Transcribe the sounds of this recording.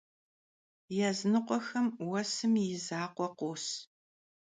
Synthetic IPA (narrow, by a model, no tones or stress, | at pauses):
jɛznɨqʷɔxɐmwɐsɨmjɪzaːqʷɔqʷoːs